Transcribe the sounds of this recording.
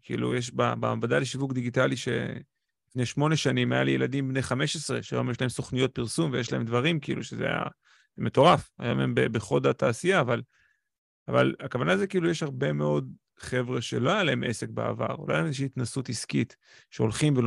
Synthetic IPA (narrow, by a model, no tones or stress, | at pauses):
kʰiḭlṵjeʃ̬baba̰mvadaleʃivukd̪iɡitaliʃe̞̰ | lifneʃmo̞ne̞ʃanimaja̰lijeladimbnejχameʃesʁe̞̰ʃa̰jo̞mjeʃ̬laɦemso̞χnijo̞t̚piʁsumvejɛʃla̰e̞md̪vaʁimkiḭluʃezḛa̰ja̰ | me̞to̞ʁafa̰jo̞membebeχo̞dataːsijaːval | ava̰lakavanaːzekiilujeʃhaʁbe̞me̞o̞d | χe̞vʁe̞ʃe̞̰lo̞ajalae̞mʔe̞se̞k̚bḛa̰va̰ʁola̰jeezeʃ̬iːt̪nasutiskit | ʃeo̞lχimvel